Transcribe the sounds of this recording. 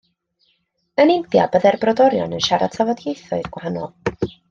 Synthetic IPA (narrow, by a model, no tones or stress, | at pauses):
ənɪmθja̰bəðɛrbrɔdɔɾjɔ̰nənʃaɾa̰tsʰavɔdjejθɔɨðɡwahanɔ̰lˠ